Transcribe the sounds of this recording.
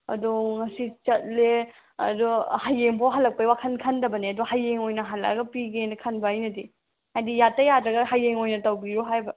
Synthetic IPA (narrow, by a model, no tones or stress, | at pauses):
ɐ̰duŋɐsit͡ʃɐt̚le | ɐ̰duhajːeŋbawɦalːɐk̚pɐjwakʰɐnkʰɐndɐbɐniɐduhajːeŋojnɐɦalɐ̰ɡɐpiɡenɐkʰɐnbɐajnɐdi | hajdijatːɐjadɾɐɡɐɦajːeŋojnɐtɐwɡiɾoɦajbɐ